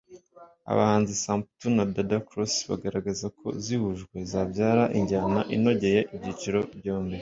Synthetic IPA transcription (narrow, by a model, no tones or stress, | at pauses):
a̰βa̰haːnzisaːmp̚tunadadakɾosβa̰ɡaɾaɡazakʰo̞̰zihuʒɡwe̞zaːbɟaːɾaʔiɲɟanaʔino̞ɟe̞je̞ʔibɟiːt͡ʃiɾo̞bjoːmbe